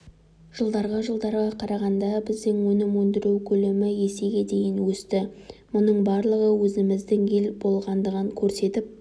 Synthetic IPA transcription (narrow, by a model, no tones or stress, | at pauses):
ʒ̥əlˠd̪ɑɾʁɑʒəlˠd̪ɑɾʁɑqʰɑɾɑʁɑnd̪ɑbɪzd̪ɪŋwɵnɪmwɵnd̪ɪɾuwkʲʰɵlemɪje̞seɡʲe̞d̪e̞jɪnwɵst̪ɪmʊnəɴbɑɾlˠəʁəwɵzɪmɪzd̪ɪŋe̞lbo̞lˠʁɑnd̪əʁəŋkʲʰɵɾse̞t̪ɪp̚